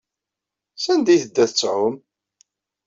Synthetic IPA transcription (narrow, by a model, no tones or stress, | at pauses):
sænd̪iθəd̪ːæθət͡sːʕʊm